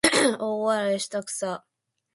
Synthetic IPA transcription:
owaɾaeɕi̥t̪akɯ̥sa

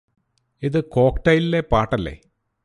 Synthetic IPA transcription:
iðɨko̞ːkʈɐjililːepaːʈːɐlːḛː

